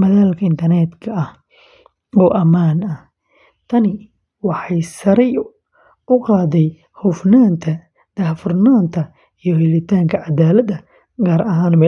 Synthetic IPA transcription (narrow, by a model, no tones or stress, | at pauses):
mɐðaːlkʰɐɪnt̪ʰɐrnɛd̪kʰɐɐh | ɔːʔɐmaːnɐh | t̪ʰɐnɪ | wɑħɑjsɐɾɛj | ʊqɑːd̪ɛj | hʊfnaːnt̪ʰɐ | d̪̥ɐhfʊrnaːnt̪ʰɐ | ijɞhɛlɪt̪ʰaːŋkʰɐʕad̪aːlɐd̪ɐ | ɡaːɾɐɦaːnmɛ